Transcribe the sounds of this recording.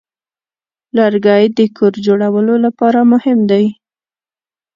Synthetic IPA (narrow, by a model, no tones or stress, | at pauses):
laɾɡɑjd̪əkʰoɾd͡ʒoɽawəlolapɑɾamʊhɪmd̪aj